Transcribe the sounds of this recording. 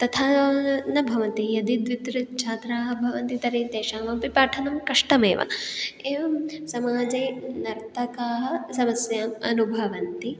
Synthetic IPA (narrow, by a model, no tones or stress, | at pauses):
t̪ɐt̪ʰaːnɐbʱɐʋɐnt̪ijɐd̪id̪ʋit̪ɾɐt͡ʃʰaːt̪ɾaːɦɐbʱɐʋɐnt̪it̪ɐɾeːd̪eːʃaːʋɐmpipaːʈʰɐnɐmkɐʂʈɐmḛːʋʔɐ̰eːʋɐmsɐmaːd͡ʒɐjnɐɾt̪ʰɐkaːɦɐ̆sɐmɐsjaːmɐnubʱɐʋɐnt̪i